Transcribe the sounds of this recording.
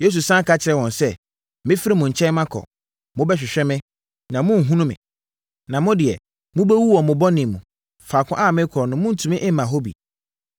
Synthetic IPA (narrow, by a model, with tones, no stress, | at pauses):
je˦s̬u˨sã˦kʰa˦t͡ɕʰɪ˨ɾɛ˦˨wɔ̃˨nsɛ˦ | mɪ̃˦fi˦ɾi˦mũ˨ɲ̩˨t͡ɕʰɛ̃˦n˦mã˦kʰɔ̰˨ | mʊ̃˦bɛ˦ɕᶣɪ˨ɕᶣɛ˦mɪ̃˦ | nã˨mʊ̃˦n̩˨ɦũ˦nũ˦mɪ̰̃˨ | nã˨mʊ̃˦dɪ˨ɛ˨ | mʊ̃˦bɛ˦wu˦wɔ̃˨mʊ̃˨bɔ˦nɪ̃˨mũ˨ | faː˨kʰʊ̰̃˦ʔa˦˨mɪ̃˦kʰɔ˨nʊ̃˨mʊ̃˦n̩˨tʰũ˨mɪ̃˦ʔɪ˦m̩˦mã˨ɦo˦bḭ˨